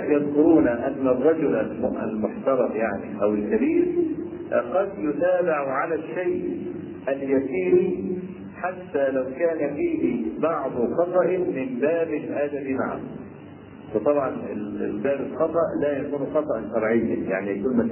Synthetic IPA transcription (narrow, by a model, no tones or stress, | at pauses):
jɑðˤkʊɾuːnaʔanːarˤːɑd͡ʒʊlʔalmʔa̰lmʊħt̪ɑɾˤɑfjaʕniʔæwɪlkabiːɾ | qɑd̪jʊt̪aːbɪʕʕalaʃajʔ | ʔaljasiːɾi | ħat̪ːalawkaːnafiːɦibɑʕd̪ˤxɑt̪ˤɑʔmɪmbaːbɪlʔad̪amima̰ʕa̰ | wɨt̪ˤɑbʕɑnɪ̰lɪbaːbɪlxɑt̪ˤɑʔlajakuːnxɑt̪ˤɑʔʃɑɾˤʕɪjːa̰jaʕnijakuːlnma